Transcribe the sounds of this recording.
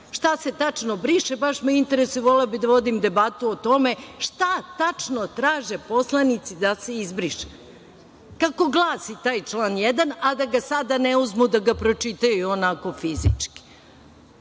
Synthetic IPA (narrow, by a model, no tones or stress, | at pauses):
ʃt̪ase̞t̪at͡ʂnobɾiʃebaʃmaint̪e̞ɾesuiʋo̞leobid̪aʋo̞d̪imd̪e̞bat̪uot̪o̞me̞ʃt̪at̪at͡ʃnot̪ɾaːʒe̞po̞slˠanit̪sid̪ase̞izbɾiʃe̥ | kako̞ɡlˠaːsit̪aːjt͡ʃlˠaːnjed̪anad̪aɡasad̪ane̞uzmud̪aɡapɾo̞t͡ʃit̪ajuonako̞fizḭt͡ʂki̥